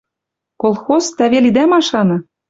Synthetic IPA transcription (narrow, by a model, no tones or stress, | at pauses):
kolˠxozt̪æβelid̪æmɑʃɑnɤ̆